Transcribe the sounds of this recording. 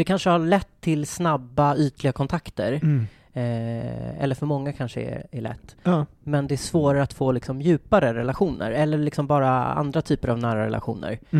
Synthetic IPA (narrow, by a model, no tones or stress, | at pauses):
d̪̥ɛkʰanʂəhaɭɛt̪ʰːɪlsnabːayːt̪lɪɡakʰɔnt̪ʰakt̪əɾ | ɛ̰lːəɾfœɾmɔŋːakʰanʂəɛ̰æɭɛ̰t̪ːmɛnd̪ɛæʂsvoːɾaɾəat̪foːlɪksɔmjʉ̟ːpaɾəɾɛlaɧuːnə̰ɾɛlːəɾɭɪksɔmbɑːɾaa̰nd̪ɾat̪ʰyːpəɾavnæːɾaɾɛ̰lʔa̰ɧṵːnə̰ɾ